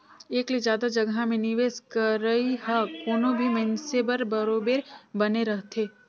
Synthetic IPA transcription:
eːklizjaːd̪ad͡ʒɐɡamẽnɪʋeːskɐɾəiɦɐkoːnõbʱimɛ̃nsebɐɾbɐɾoːbeːɾbɐneɾɐɦt̪ʰeː

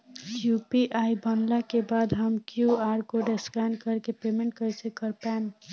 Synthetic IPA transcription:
kjupiʔajbənlakebad̪ɦəmkjuaɾkoɖeskankəɾkepemeɳʈkəjsẽkəɾpɛn

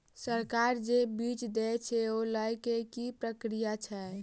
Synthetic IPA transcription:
səɾkaɾd͡ʒebit͡ʃd̪ɛt͡ʃʰɛoləjkekipɾəkɾijat͡ʃʰɛ

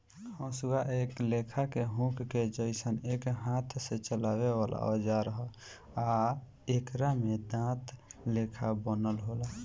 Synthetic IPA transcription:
ɔ̃suɡaʔeklekʰakeɦũkked͡ʒəɪsənekɦãt̪ʰset͡ʃəlaweʋalʔa̰od͡ʒaɾəɦə | a | ekɾamed̪ãt̪lekʰabənəlɦola

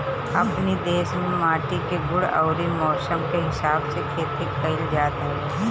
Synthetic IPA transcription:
ɐpnid̪eːʃmẽmaːʈikeɡʊɽɔ̰ːɾimɔːsəmkeɦɪsaːbsekʰeːt̪ikɐɪld͡ʒjaːd̪ɐeː

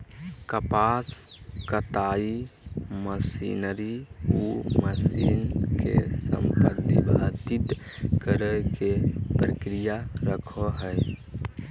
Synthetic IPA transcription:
kəpas | kət̪aiməsḭnəɾiuməsinkḛsə̰mpəd̪ʱḭbʱat̪it̪ | kəɾəkepɾəkɾijaɾəkʰɔɦəj

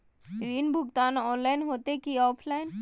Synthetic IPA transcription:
ɾiːnbʱʊkt̪aːnɔːnlaɪnɦoːt̪ekiɔːpʰlaːɪn

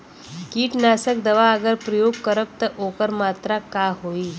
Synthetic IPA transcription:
kiːʈnasək̚d̪əʋaəɡəɾpɾəjoɡ̚kəɾəp̚t̪əʔokəɾmat̪ɾakaɦoiː

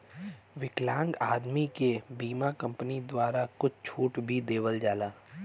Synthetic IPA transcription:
ʋɪklãːŋɡaːd̪mikebiːmakɐ̃mpənid̪waːɾakʊt͡ʃʰt͡ʃʰuːʈbʱid̪eːʋəld͡ʒaːlaː

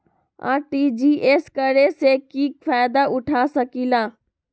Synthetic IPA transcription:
a̰ːʈid͡ʒiːʔeːskəɾesekiːk̚faːjd̪aʔʊʈʰaːsəkilaː

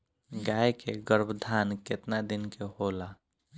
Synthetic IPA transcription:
ɡajkeɡəɾbd̪ʱaːnket̪nad̪inkehola

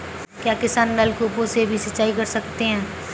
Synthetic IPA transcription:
kjaːkɪsaːnmɛːlkuːpõsebʱisɐtːʃaːikɐɾsɐkt̪eɦɛ̃ː

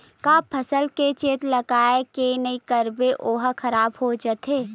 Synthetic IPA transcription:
kaːpʰːəsəlket͡ʃeːt̪lɐɡaːekenɐikəɾbeʔoːɦkʰəɾaːbɦod͡ʒət̪ʰeː

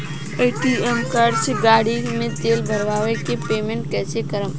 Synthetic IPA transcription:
eʈiemkaɾɖt͡ʃʰeɡaːɽimẽt̪eːlbʱəɾʋaːʋekepeːmẽɳʈkɛːsekəɾəm

